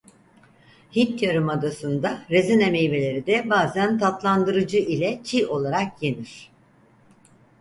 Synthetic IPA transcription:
hit̪ʰjaɾɯmad̪asɯnd̪aɾezineme̞jbe̞lʲe̞ɾid̪ɛbaːzænt̪ʰat̪lˠand̪ɯɾɯd͡ʒɯʔilʲɛt͡ʃʰio̞lˠaɾakje̞niɾ̝̥

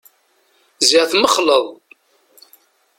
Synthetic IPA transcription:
ziʁθməχləðˤ

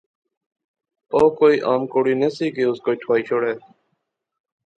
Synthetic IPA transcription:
oːkoːiːʔaːmkoːɽiːneːsiːkeːʊskoːiːʈʰwaːiːt͡ʃʰoːɽɛː

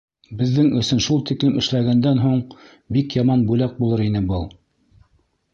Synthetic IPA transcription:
bɘ̆ðːɘŋɵ̆sɘnʃulˠt̪iklɘmɘ̆ʃlæɡænd̪ænɦuɴ | bikjɑmɑnbulæk̚bulˠɤɾin̪ɘbɤlˠ

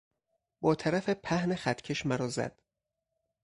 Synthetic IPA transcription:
bɒːt̪ʰæɾæfepʰæhnexæt̪ʰcʰeʃmæɾɒːzæ̰d̪̥

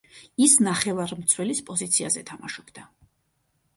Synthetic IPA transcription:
isnaχɛvaɾmt̪sʰwɛlispʼɔzit̪sʰiazɛt̪ʰamaʃɔbd̪a

